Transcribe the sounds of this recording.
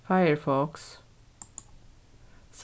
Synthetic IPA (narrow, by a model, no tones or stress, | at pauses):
faɪəɹfɔks | s